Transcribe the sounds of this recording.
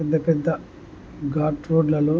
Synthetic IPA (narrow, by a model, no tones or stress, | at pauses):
ɛd̪ːɐpɛd̪ːɐ | ɡaːɾʈɾoːɖlɐloː